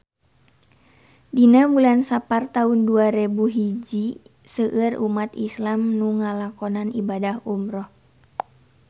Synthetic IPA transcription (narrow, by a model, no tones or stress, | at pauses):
dinabulansapart̪aunduaɾebuɦid͡ʒi | səʔɨrumat̪islamnuŋalakɔnanibadahumɾɔh